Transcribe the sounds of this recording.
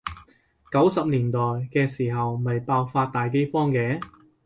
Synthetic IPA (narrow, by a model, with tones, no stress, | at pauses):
kɐ˨˥wsɐ˨p̚liː˨˩nt̪ɔː˨˩jkɛː˧siː˨˩ɦɐ˨wmɐ˨jpaː˧wfaː˧t̚t̪aː˨jk̬e˥jfɔː˥ŋkɛː˨˥